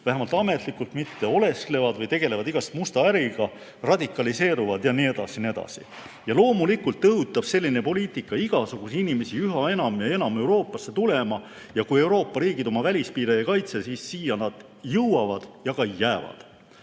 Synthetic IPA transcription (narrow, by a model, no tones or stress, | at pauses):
væɦemɑlt̪ɑme̞t̪ˑlikːult̪mit̪ːe̞o̞le̞skle̞vɑd̪̥vɤjt̪e̞ɡe̞le̞vɑd̪iɡ̥ɑst̪must̪ɑæɾiɡ̥ɑ | rɑd̪ikːˑɑlise̞ːɾuvɑd̪jɑnie̞d̪̥ɑ̰sinie̞d̪̥ɑ̰sḭ | jɑlo̞ːmulikult̪ːɤɦut̪ːˑɑb̥se̞lʲːine̞po̞liːt̪ˑikːˑɑiɡ̥ɑsuɡ̥usiinime̞siyɦɑe̞nɑmjɑe̞nɑme̞wɾo̞ːpːˑɑsːe̞t̪ule̞mɑ | jɑkuje̞wɾo̞ːpːˑɑɾiːɡ̥id̪o̞mɑvælʲispiːɾejekɑjt̪se̞siːsːiːjɑnɑd̪̥ | jɤwwɑvɑd̪̥jɑkɑjːæːvɑ̰d̪̥